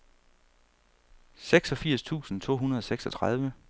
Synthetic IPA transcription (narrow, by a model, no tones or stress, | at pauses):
seɡ̥sɒ̽fiɐ̰st͡sʰṵːsn̩t͡sʰo̰ːɦunɐð̞ˠɒ̽seɡ̥sɒ̽t͡sʰʁɑ̈ð̞ˠʋə